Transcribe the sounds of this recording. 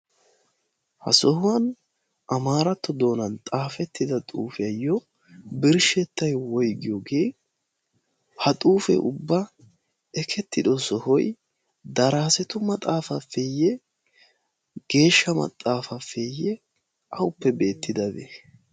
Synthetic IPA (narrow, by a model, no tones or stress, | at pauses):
hɐ̰sɔhʊwɐn | ʔɐmaːɾɐt̪ːɔd̪o̞ːnɐnt̪ʼaːfɛt̪ːɪd̪ɐt̪ʼṵːfɪjɐjːɔ | bɪɾʃɛt̪ːɐjwɔjɡɪjoːɡe̞ː | hɐt̪ʼuːfɛ̰ʔʊbːɐ | ɛkʰɛt̪ːɪd̪ɔsɔhɔj | d̪ɐɾaːsɛt̪ʊmɐt̪ʼaːfɐfeːjːɛ | ɡ̥e̞ːʃːɐmɐ̰t̪ʼːaːfɐfeːjɛ | ʔɐwʊpːɛbe̞ːt̪ːɪd̪ɐdḛ